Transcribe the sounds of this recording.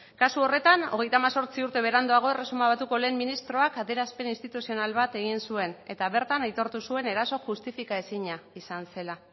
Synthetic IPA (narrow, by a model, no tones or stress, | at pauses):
kasuo̞re̞t̪ano̞̰ɣe̞jt̪amaso̞ɾt͡siuɾt̪e̞β̞e̞ɾand̪oaɣ̞o̞e̞resumaβat̪uko̞le̞ːmːinist̪ɾo̞akaðeɾaspe̞ninst̪it̪usio̞nalβat̪e̞ɣ̞insue̞ne̞t̪aβe̞ɾt̪anajt̪o̞ɾt̪usue̞ne̞ɾaso̞ʝust̪ifikae̞siɲaisanse̞la